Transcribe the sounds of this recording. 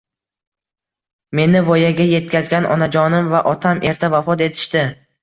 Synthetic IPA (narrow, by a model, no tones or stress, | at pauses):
me̞nɪvɒjaɡʲaje̞t̪̚kʲazɡʲanʔɒ̰nad͡ʒɒnɪmvaʔɒt̪ʰamʔe̞ɾt̪ʰavafɒt̪e̞t̪ʰɪ̥ʃt̪ɪ